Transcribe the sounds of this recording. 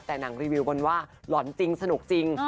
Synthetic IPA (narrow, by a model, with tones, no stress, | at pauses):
t̪ɛː˨˩na˩˦ŋɾiː˧wiː˧wbo˧nwaː˥˩lɔ˨˩˦nt͡ɕi˧ŋsa˧nu˨˩k̚t͡ɕi˧ŋ